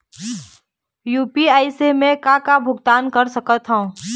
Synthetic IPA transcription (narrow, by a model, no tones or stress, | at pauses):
juːpiaːisemẽkakabʱʊɡt̪aːnkɐɾsɐkət̪ɦõ